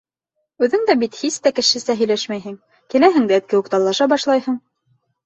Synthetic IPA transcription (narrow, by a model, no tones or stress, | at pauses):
ʉðɘŋd̪æbit̪hist̪ækɘ̆ʃɘ̆sæɦɵ̆jlæʃmæjɦɘŋ | kɘ̆læɦɘ̆ŋd̪æɘ̆t̪̚kɘ̆wuqt̪ɑlˠːɑʃɑbɑʃlˠɑjhɤɴ